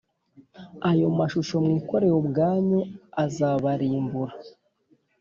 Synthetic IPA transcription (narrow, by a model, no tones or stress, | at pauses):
ajo̞maʃuʃo̞mŋiːko̞ɾe̞hobɡaːɲoazaβaɾiːmbuɾa